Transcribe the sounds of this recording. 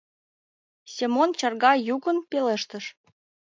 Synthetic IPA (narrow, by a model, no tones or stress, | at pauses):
sʲemont͡ɕɑrɣɑjuɣə̆npeleʃt̪ə̆ʃ